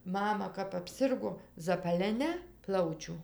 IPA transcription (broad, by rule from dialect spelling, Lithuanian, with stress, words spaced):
ˈmɑːmɐ kɐp ɐpʲˈsʲɪrɡoː zɐpɐlʲɛˈnʲɛ ˈplˠɐʊt͡ʃʲʊ